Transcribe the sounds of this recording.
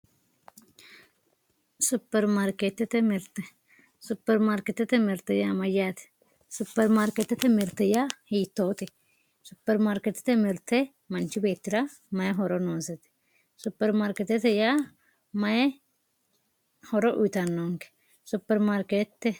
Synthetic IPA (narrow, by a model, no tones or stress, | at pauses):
sʊpːɛɾmaːɾket̪ːɛt̪ɛmɪɾt̪ɛ | sʊpːɛɾmaːɾkɛt̪ːɛt̪ɛmɪɾt̪ɛjaːmɐjaːt̪ɛ̥ | sʊpːɛɾmaɾkɛt̪ːɛt̪ɛmɪɾt̪ɛjaːhiːt̪ːoːt̪ɪ | sʊpːɛɾmaːɾkɛt̪ːɛ̥t̪ɛmɪɾt̪ːɛ | mɐnt͡ʃɪbeːt̪ːɪɾɐ | mɐjɛɦɔɾɔnoːsɛt̪ɛ̥ | sʊpːɛɾmaːɾkɛt̪ːɛt̪ɛja | mɐjɛ | hɔɾɔʔʊjt̪ɐnːoŋkɛ̥ | sʊpːɛɾmaɾket̪ːɛ